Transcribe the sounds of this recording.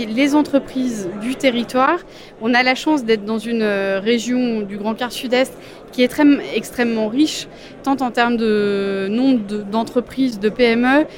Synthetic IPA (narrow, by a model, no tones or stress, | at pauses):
lezɑ̃t̪χəpχizd̪yt̪eʁit̪waːʁ | ɔ̃nalaʃɑ̃sd̪ɛt̪χd̪ɑ̃zynøʁeʒjɔ̃d̪yɡʁɑ̃kʲaʁsyd̪ɛst̪ | kʲiɛt̪χɛmɛkst̪χɛmːɑ̃ʁiʃ | t̪ɑ̃t̪ɑ̃t̪ɛʁmd̪ənɔ̃bʁd̪əd̪ɑ̃t̪χəpχizd̪əpeɛmø